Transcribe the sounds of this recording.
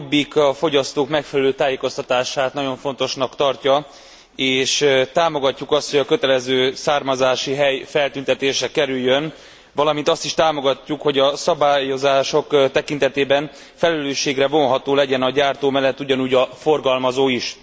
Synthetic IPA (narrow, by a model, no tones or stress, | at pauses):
bːikɒfo̞ɟɒst̪oːkmɛkfɛlɛløːt̪aːjeːko̞st̪ɒt̪aːʃaːt̪nɒɟo̞ɱfo̞nt̪o̞ʃnɒkt̪ɒrcɒ | eːʃt̪aːmo̞ɡɒcːukɒst̪ho̞ɟɒkø̞t̪ɛlɛzøːsaːrmɒzaːʃiɦɛjfɛlt̪ynt̪ɛt̪eːʃɛkɛɾyjːøn | vɒlɒmint̪ɒst̪iʃt̪aːmo̞ɡɒcːukho̞ɟɒsɒbaːjo̞zaːʃo̞kt̪ɛkin̪t̪ɛt̪eːbɛn | fɛlɛløːʃːeːɡrɛvo̞nɦɒt̪oːlɛɟɛnɒɟaːrt̪oːmɛlːɛt̪ːuɟɒnuːɟɒfo̞rɡɒlmɒzoːiʃ